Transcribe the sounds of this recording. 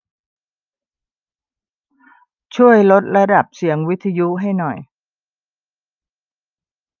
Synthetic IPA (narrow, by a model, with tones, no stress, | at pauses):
t͡ɕʰu˥˩əjlo˦˥t̪̚ɾa˧da˨˩p̚si˨˩˦əŋwi˦˥t̪ʰːa˧ju˦˥ɦa˥˩jnɔ˨˩j